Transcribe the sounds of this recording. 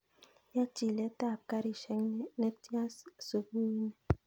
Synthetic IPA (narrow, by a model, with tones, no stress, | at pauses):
ja˦t͡ʃi˨lɛ˦ta˦˨ka˦ɾi˨ʃɛ˨˦ŋ˦nɛ˦ti˦a˦sso˨bu˦i˦nɛ˨